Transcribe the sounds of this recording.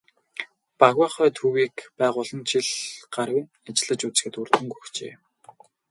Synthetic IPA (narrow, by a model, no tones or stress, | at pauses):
paɣwaːχœːt̪ʰuwiːkpæːʁʊːɮə̆nt͡ɕʰiɮɢ̥aɾwʲĭŋ | at͡ɕɪ̆ɮə̆t͡ɕut͡sxɘ̆t̪urt̪ɵ̆ŋɡuxt͡ɕḛː